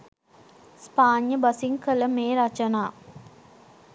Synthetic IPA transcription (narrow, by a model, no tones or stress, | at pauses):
spaːɲjəbasiŋkələmeːɾat͡ʃənaː